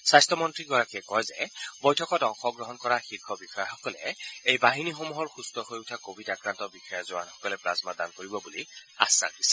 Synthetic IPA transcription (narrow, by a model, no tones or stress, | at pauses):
sajstʰɔmɔntɹiɡɔɹakiɛkɔjzɛbɔjtʰɔkɔtɔŋxɔɡɹɔɦɔnkɔɹaxiɹkʰɔbixɔjaxɔkɔlɛ̰ejbaɦinixomuɦɔɹxustɔhojutʰakobʱitakɹantɔbixɔjazʊwanxɔ̥kɔlɛplasmadankoɹibɔbulia̰sːa̰ndisɛ